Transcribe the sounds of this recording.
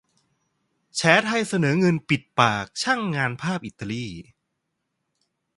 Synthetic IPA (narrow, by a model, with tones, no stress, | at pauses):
t͡ɕʰɛː˩˦˥t̪ʰa˧jsa˧nɤː˩˦ŋɤ˧npi˨˩t̪̚paː˨˩k̚t͡ɕʰa˥˩ŋːaː˧npʰaː˥˩p̚ʔi˨˩t̪ːa˧liː˥˩